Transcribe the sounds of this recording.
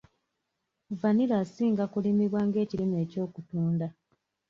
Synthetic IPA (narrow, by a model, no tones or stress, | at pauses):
vanilaːsiːŋɡakulimiβwaːŋɡe̞ːcilime̞ːco̞ːkutuːnda